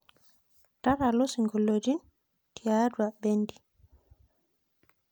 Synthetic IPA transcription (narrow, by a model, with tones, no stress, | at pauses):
ta˦ɾa˨lo˦si˨ŋɡɔ˨lo˨d͡ʒi˦ | ti˨a˨˦dwa˨bɛ˦ndi˨